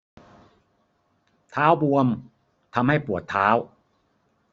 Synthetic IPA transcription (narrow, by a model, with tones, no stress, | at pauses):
t̪ʰaː˦˥wbu˧əm | t̪ʰa˧mha˥˩jpu˨˩ət̪ʰːaː˦˥w